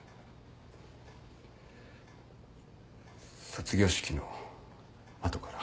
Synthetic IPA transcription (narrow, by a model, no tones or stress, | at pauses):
sot͡sɨɡʲo̞ːɕi̥kʲino̞ | at̪okaɾa